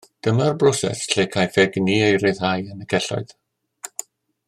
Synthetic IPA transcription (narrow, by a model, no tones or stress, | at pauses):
d̥əmərbrɔsɛ̰sɬeːkʰajfɛɡniːejɾɨðhajənəɡʰɛɬɔ̰ɨð